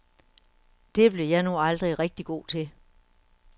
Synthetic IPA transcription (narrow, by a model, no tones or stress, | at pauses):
d̥e̝b̥le̝jɑ̈ɪnuɑ̈ld̥ʁiʁɛɡ̥̚d̥iɡ̥o̝̰ːt͡sʰe̝